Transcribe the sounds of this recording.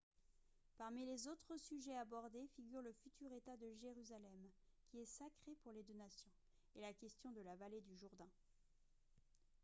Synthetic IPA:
paʁmilezot̪χəsyʒɛabɔʁd̪efiɡʲyʁləfyt̪yʁet̪ad̪əʒeʁyzalɛm | kʲiɛsakχepuʁled̪ønasjɔ̃ | elakʲɛst̪jɔ̃d̪əlavaled̪yʒuʁd̪ɛ̃

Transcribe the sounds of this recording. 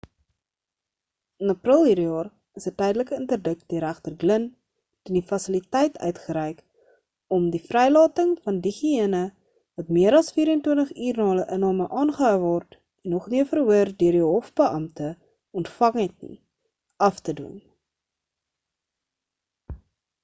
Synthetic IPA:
ənɐprəlˠɦiːɾjɑːr | əsətɛjdələkəəntərdək̚diəɾæχtərɡlən | təndifɐsəlitɛjtœ̰ɥtχəɾɛjk | ɔmdifrɛjlɑːtəŋfɐndiχiənə | vɐtmiəɾɐlˠsfiːɾəntwəntəχyːrnɑːləʔənɑːməʔɑːnχəɦœwvɔrt | ɛnːɔχniəfərwəərdøərdiɦɔfbəʔɐmtə | ɔntfɐŋɛtnḭ | ʔɐftədṵn

